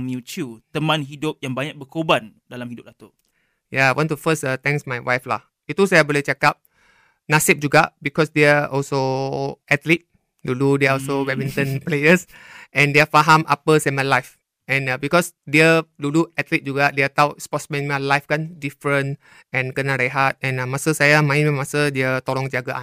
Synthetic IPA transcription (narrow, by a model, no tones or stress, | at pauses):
mjut͡ʃut̪əmãnɦidʊp̚jãŋbaɲak̚bəkobandalamhidʊp̚dat̪oʔ | jaajwʔɔ̃ntufəsət̪ɛ̃ŋsmajwajfla̰h | jut̪useabɔlit͡ʃɛkap̚ | nasip̚d͡ʒuɡabikɔsdɛaɔlsoɛt̪lit̚ | luludɛaɔlsowɛmĩntə̃nplejəs | ʔɛ̃ndeafaɦãmʔapəsɛmalajf | ɛ̃nabikɔsdɛəluluɛt̪lit̚d͡ʒuɡadeat̪awt̚spɔtsmɛ̃nmalajfkãndifɹə̃n | ɛ̃nkənaɾeɦat̚ɛ̃namasəsajamãĩmɛ̃masədɛət̪ɔɾɔ̃ŋd͡ʒaɡaʔan